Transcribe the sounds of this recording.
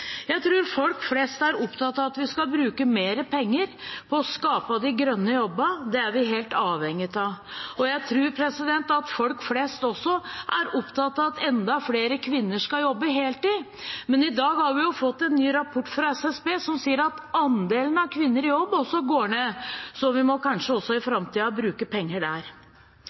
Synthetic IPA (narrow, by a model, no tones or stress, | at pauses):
jæɪt̪ʰɾʉːɾfɔlkflɛːst̪æɾɔpt̪ʰɑt̪ːɑʋɑt̪ʋɪskɑbɾʉːkəmeːɾəpʰɛŋːəɾpʰɔːskɑːpɑd̪ɪɡɾœnːəjɔbːəd̪ɛæɾʋɪɦeːlt̪ɑːʋɛŋjət̪ɑɔjæɪt̪ʰɾʉːɾpʰɾɛsɪd̪ɛnt̪ɑt̪fɔlkfleːst̪ɔsːɔʔæɾɔpt̪ʰɑt̪ːɑʋɑt̪ɛnd̪ɑfleːɾəkʰʋɪnːəʂkɑljɔbːəɦeːlt̪iː | mɛnɪd̪ɑːɡhɑɾʋɪjʊfɔt̪ːɛnːyːɾɑpʰɔʈːfɾɑɛsɛsbeːsɔmsiːəɾɑt̪ɑnd̪eːlənɑkʰʋɪnːəɾɪjɔbːɔsɔɡoːɳeːsɔʋɪmɔkʰɑnʂəɔsːɔɪfɾɑmt̪iːɑbɾʉːkəpʰɛŋːəɖæɾ